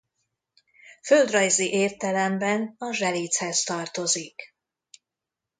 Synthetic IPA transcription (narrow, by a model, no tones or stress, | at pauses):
føld̪rɒjziʔeːrt̪ɛlɛmbɛnɒʒɛliːt̪shɛst̪ɒrt̪o̞zik